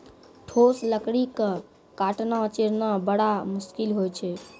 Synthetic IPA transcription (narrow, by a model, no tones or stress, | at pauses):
ʈʰosləkɽikə | kaʈnat͡ʃeɾnabəɽamuskilɦojt͡ʃʰɛ